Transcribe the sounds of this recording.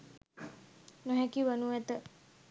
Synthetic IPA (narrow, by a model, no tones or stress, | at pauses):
nuɦɛkiʋənuɛt̪ə